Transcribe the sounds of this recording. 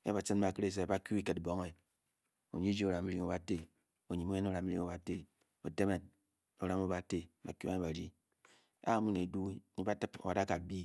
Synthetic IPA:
e˦ba˨t͡sɨ˦n˦ba˨kɨ˦ɾe˦s̬e˨ba˦ku˦i˦ke˨tbo˦ŋe˨ | o̰˨ɲi˦d͡ʒi˦o˨ɾa˨mi˦ɾi˦ŋo˨ba˨te˦ | o˨ɲi˨mo˦je˦n˦o˦ɾa˨m˦ɾi˦ŋo˨ba˨te˦ | o˨te˦me˨n | o˨ɾa˦mo˦ba˨te˦˨ba˨ku˦a˦e˦ba˨ɾi˦ | a̰˦˨˦mu˦ne˨du˦ɲi˦ba˦tɨ˦po̰˨wa˨da˦ka˨bi˦

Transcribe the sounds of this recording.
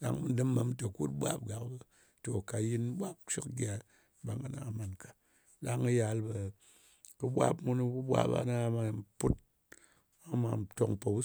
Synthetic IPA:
ɗa̰˨ŋmɨ˦n˦dɨ˦mə˨˦m˦tə˨ku˦tɓʷa̰˦p̚ɡa˨kbɨ˨ | to˨ka˨ji˦n˦ɓʷa˦p̚ʃi˦kɡʲa˨ | ba˨ŋa˦na̰˨ma˨nkḁ˨ | ɗa˦ŋɨ˦ja˨˦lbə˨ | kɨ˦ɓʷa̰˦pmu˧ni˦bu˦ɓʷa̰˦ba̰˦na˦ma˨˦pu˦t̚ | a˦ma˨to˨ŋpo˨bu˦

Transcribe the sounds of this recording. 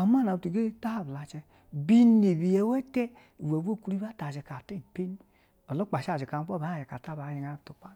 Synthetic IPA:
a˨ma˦˨a˨u˧tu˨ɡe˦ta˦ha˦˨bla˨t͡ʃɛ˧ | bi˦ne˨bi˨jɛ˨˦wɛ˦tɛ˦ | i˨we˨bo˦˨ku˦ɾi˦ba˦ta˨d͡ʒɛ˨ka˨te˦˨pe˦n˦ | ɔ˨lo˦k͡pa˨ʃa˦˨d͡ʒe˨ka˨m˦ɔ˦ba˨˦˨d͡ʒɛ˨ka˨ta˦˨ba˨˦ji˧ŋa˨˦˨to˨k͡pa˦

